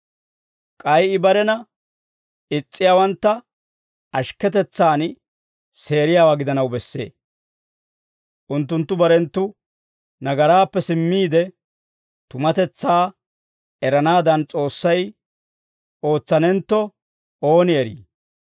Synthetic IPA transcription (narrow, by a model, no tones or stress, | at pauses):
kʼɐjɪbɐɾɛnɐ | ɪt͡sʼːɪjaːwɐnt̪ːɐ | ɐʃkɛt̪ɛt͡sːaːn | se̞ːɾɪjaːwaɡɪd̪ɐnɐwbɛsːe̞̰ː | ʔʊnt̪ːʊnt̪ːʊbɐɾɛnt̪ːʊ | nɐɡɐɾaːpːɛsɪmːiːd̪ɛ | t̪ʊmɐt̪ɛt͡sːaː | ɛɾɐnaːd̪ɐnt͡sʼo̞ːsːɐj | o̞ːt͡sːɐnɛnt̪ːɔ | o̞ːnɪɛɾḭː